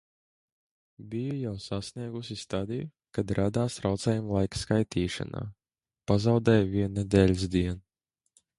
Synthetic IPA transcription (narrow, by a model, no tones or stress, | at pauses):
bijujawsasniɛɡusʲist̪ad̪iju | kad̪ɾad̪aːsɾawt̪sɛːjumlˠajkskajt̪ʰiːʃa̰na̰ː | pazawd̪ɛjviɛnːɛd̪ɛlʲzd̪iɛn